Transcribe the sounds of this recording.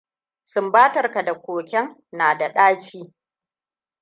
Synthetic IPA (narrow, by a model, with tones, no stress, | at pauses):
sʊ˦mbaː˦tɐ˨rka˨da˨kʷoː˨kʲɛ˦ŋ | naː˨da˨ɗaː˦t͡ʃiː˦